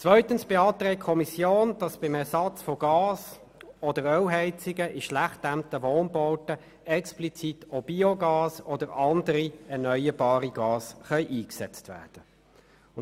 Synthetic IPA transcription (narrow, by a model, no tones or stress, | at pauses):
t͡svœʏtənsb̥ɪɑːt̪ʁɛːkkʰɔmisjoːnd̥ɑsb̥ɪmɛsɑt͡sfɔɡ̥ɑːs | ɔdəɾœwɦɛɪt͡sɪɡəʔɪʃlæχtːæmtəʋoːnbɔʊtə | ɛksplit͡sitʰob̥ioɡɑːsɔdəɾɑndəɾiɛɐnœʏəbɑːʁiɡ̥ɑːsχœʏʔiːksɛt͡stvæ̰ːd̥ə | ʊ